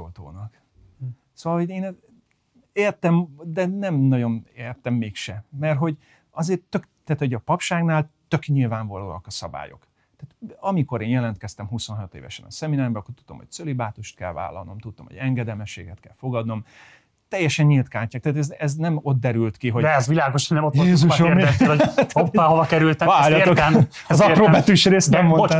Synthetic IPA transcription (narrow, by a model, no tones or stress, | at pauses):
ot̪o̰ːnɒk | soːvɒlhoɟeːn | eːrt̪ɛmd̪ɛnɛmnɒɟo̞neːrt̪ɛmːeːkʃɛmɛrɦo̞ɟ | ɒzeːrt̪økt̪aːt̪ho̞ɟɒpɒpʃaːɡnaːlt̪økɲilvaːɱvɒlo̰ːɒkɒsɒba̰ːjo̞̰k | t̪aːt̪ɒmiko̞ɾeːnjɛlɛnt̪kɛst̪ɛmɦuso̞nɦɒt̪ḛːvɛ̰ʃɛ̰nɒ̰sɛminaːrbɛɒkːort̪u̥d̪omho̞c̚t̪sølibaːt̪uʃt̪̚kɛ̰lva̰ːlːɒ̰lno̞̰mt̪ut̪ːomho̰ɟɛŋɡɛd̪ɛlmɛʃːḛːɡɛt̪kɛ̰lfo̞ɡɒd̪no̞m | t̪ɛjːɛʃɛɲːilt̪kaːɲcaːk̚t̪aːt̪ɛzɛznɛmo̞t̪̚d̪ɛɾylt̪kiɦod̪ɛɛzʋilaːɡoʃnːɛmotjeːzuʃorɛt̪ːloopːaovɒkɛɾylt̪ɛvaːrjɒt̪ːokm | ɒzɒpɾoːbɛt̪yʃreːst̪nɛmːona